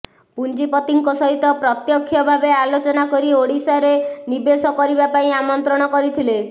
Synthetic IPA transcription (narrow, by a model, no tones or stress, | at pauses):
pund͡ʒipɔt̪iŋkɔsɔɦit̪ɔpɾɔt̪jɔkʰːjɔbʱabealot͡ʃɔnakɔɾioɽisaɾenibesɔkɔɾibapaĩamɔnt̪ɾɔɽ̃ɔkɔɾit̪ʰile